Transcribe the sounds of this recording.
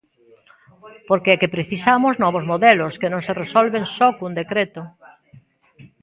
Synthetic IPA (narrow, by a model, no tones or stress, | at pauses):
poɾkeɛkepɾeθisamʊznɔβozmoðɛlʊskenõŋseresɔlβeŋsɔkund̪ekɾet̪ʊ